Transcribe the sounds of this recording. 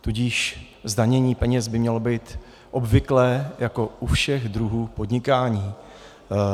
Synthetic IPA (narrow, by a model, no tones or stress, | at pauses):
t̪uɟiʃ | zdaɲɛɲiːpɛɲɛzbɪmɲɛlo̞biːt̪ | ʔo̞bvɪklɛːjako̞ʔufʃɛxd̪ɾuɦuːpo̞dɲɪkaːɲiː